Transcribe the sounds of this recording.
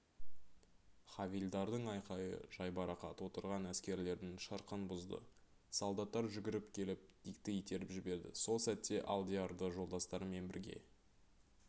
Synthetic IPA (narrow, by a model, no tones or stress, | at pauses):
χɑvild̪ɑɾd̪əɴɑjqɑjə̰ʒɑjbɑɾɑqɑ̰t̪wo̞t̪əɾʁɑnæskʲe̞ɾle̞ɾd̪ɪŋʃəɾqənbʊzd̪ə̰ | salˠd̪ɑt̪ːɑɾʒʏɡʲɪɾɪpkʲʰe̞lɪp̚d̪̥ijkt̪ɪit̪e̞ɾɪpʒɪbe̞ɾd̪ɪ̰so̞lˠsæt̪ːe̞ʔalˠd̪iɑɾd̪əʒo̞lˠd̪ɑst̪ɑɾəme̞nbɪ̰ɾɡʲe̞̰